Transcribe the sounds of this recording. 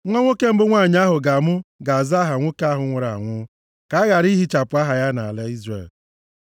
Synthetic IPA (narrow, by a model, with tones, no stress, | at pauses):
ŋʷɔ˦ŋʷo˦ke˦m̩˦bʊ˦ŋʷaː˦˨ɲ˦a˦ɦʊ˨ɡa˨mʊ˦ɡa˨a˨za˦ɦa˨ŋʷo˦ka˦ɦʊ˨ŋʷʊ˨ɾa̰˨ŋʷʊ˦ | ka˨a˦ɣa˨ɾi˦ɦi˦t͡ʃa˨pʊ˨˦a˦ɦa˨ja˦na̰˨le˦i˦zrḛ˨l